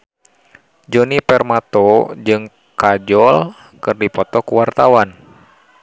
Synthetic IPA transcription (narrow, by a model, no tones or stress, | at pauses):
d͡ʒɔnipɛrmat̪ɔd͡ʒɨŋ | kad͡ʒɔl | kɨrdipɔt̪ɔkuwart̪awan